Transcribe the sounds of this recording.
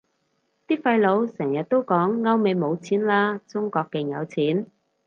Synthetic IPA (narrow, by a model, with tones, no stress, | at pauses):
t̪iː˥fɐ˧jlo˨˧wsɛː˨˩ŋjɐ˨t̚t̪o˥wkɔː˨˥ŋːɐ˥wme˨˧jmo˨˧wt͡sʰiː˨˥nlaː˥t͡sʊ˥ŋkɔː˧kːɛ˧ŋjɐ̰˨˧wt͡sʰiː˨˥n